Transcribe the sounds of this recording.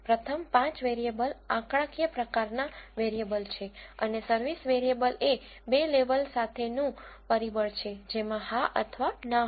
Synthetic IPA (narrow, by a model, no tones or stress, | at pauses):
pɾət̪ʰəmpãt͡ʃʋeɾiebəlãkɽãkjəpɾəkaɾnaʋeɾiebəlt͡ʃʰeə̰nesəɾʋisʋeɾiebəle | beleʋəlsat̪ʰenũpəɾibəɭt͡ʃʰed͡ʒemãɦaʔə̰t̪ʰʋana